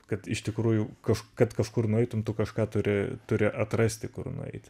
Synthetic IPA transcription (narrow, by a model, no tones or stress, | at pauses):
kɐt̪ɪʃt̪ʲɪkruːjʊkɐʃkɐt̪kɐʃkʊrnʊɛɪt̪ʊmt̪ʊkɐʃkɑːt̪ʊɾʲɪt̪ʊɾʲɪʔɐt̪rɐsʲt̪ʲɪkʊrnʊ̰ɛ̰ɪt̪ʲ